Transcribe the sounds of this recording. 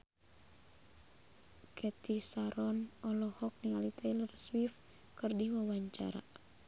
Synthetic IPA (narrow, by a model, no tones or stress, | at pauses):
kʰɛt̪ʰisaɾɔnɔlɔhɔk̚nialit̪ɛlərswif | kɨrdiwawaɲt͡ʃa̰ɾa̰